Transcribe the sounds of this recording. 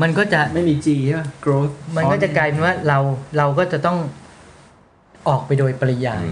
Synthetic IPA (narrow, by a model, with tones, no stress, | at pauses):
ma˧nkɔː˥˩t͡ɕa˨˩ma˥˩jmiː˧t͡ɕiː˧ɯ˦˥˩kɾoː˦˥ma˧n˦kɔ˥˩t͡ɕa˨˩kaː˧jpe˧nwaː˥˩ɾa˧wɾa˧wkɔː˥˩t͡ɕa˨˩t̪ɔ˥˩ŋ | ʔɔː˨˩k̚pa˧jdoː˧jpa˧ɾa˧jaː˧